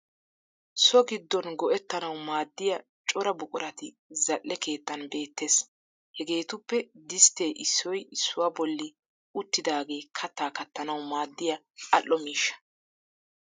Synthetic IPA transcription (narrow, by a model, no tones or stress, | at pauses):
sɔɡɪd̪ːɔnɡɔʔɛt̪ːɐnɐwmaːd̪ːɪjɐ | t͡ʃʼɔɾɐbʊkʼʊɾɐt̪ɪ | zɐʔːɛke̞ːt̪ːɐnbe̞ːt̪ːe̞ːs | hɛɡe̞ːt̪ʊpːɛd̪ɪst̪e̞ːʔɪsːɔjɪsːʊwɐbɔlːɪ | ʊt̪ːɪd̪aːɡe̞ːkʰɐt̪ːaːkɐt̪ːɐnɐwmaːd̪ːɪjɐ | ɐlːɔmiːʃːɐ̥